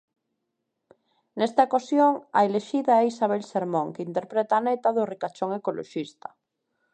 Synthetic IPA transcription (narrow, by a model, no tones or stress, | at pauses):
nest̪aekosjoŋaeleʃiðaɛisaβ̞elseɾmõŋkeint̪eɾpɾet̪aːnet̪aðorikat͡ʃoŋekolʔo̰ʃist̪a